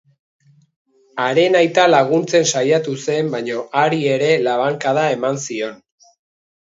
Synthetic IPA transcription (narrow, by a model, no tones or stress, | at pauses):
aɾe̞najt̪alaɣunt͡se̞nsajat̪use̞mbajɲo̞ʔaɾie̞ɾe̞laβ̞aŋkaðae̞mansio̞n